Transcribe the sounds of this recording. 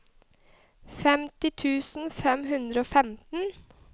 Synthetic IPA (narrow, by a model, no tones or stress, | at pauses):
fɛmt̪ɪt̪ʰʉːsn̩fɛmɦʉnd̪ɾəoːfɛmt̪n̩